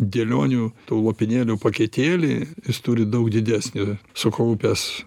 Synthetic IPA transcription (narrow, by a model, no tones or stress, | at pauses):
d̪ʲelʲoːnʲuːt̪uːlˠoːpʲɪnʲeːlʲuːpɐkʲet̪ʲeːlʲɪjɪst̪ʊɾʲɪd̪ɐʊkd̪ʲɪd̪ʲæːsʲnʲʊsʊkɐʊpʲɛs